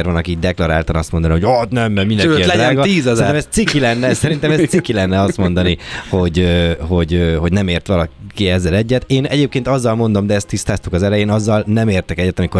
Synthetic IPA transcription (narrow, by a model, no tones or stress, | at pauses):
ɛɾvɒnɒkiːɟd̪ɛklɒɾa̰ːlt̪ɒnɒst̪mo̞nd̪ɒniɦo̞ɟɒt̪nɛmːɛɡmind̪ɛizaːɡɒiːɛsɛit̪ːɛmɛst̪sikːilɛnːɛsɛɾint̪ɛmɛssikːilɛnːɛɒst̪mo̞nd̪ɒniho̞ɟøɦo̞ɟøɦo̞ɟnɛmeːrt̪ʋɒlɒkiɛzːɛlɛɟːɛt̪eːnɛɟeːpkeːnt̪ɒzːɒlmo̞n̪d̪o̞md̪ɛɛst̪ːist̪aːst̪ukɒzɛlɛjeːnɒzːɒlnɛmeːrt̪ɛkɛɟːɛt̪ɒmiko